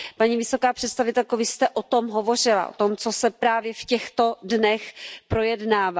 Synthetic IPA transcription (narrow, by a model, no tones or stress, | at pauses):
paɲivɪso̞kaːpr̝̥ɛt̪st̪avɪt̪ɛlkovɪst̪ɛʔot̪o̞mɦovo̞r̝ɪla̰ʔo̰t̪omt͡sosɛpɾaːvjɛfcɛxt̪o̞dnɛxpɾo̞jɛdnaːva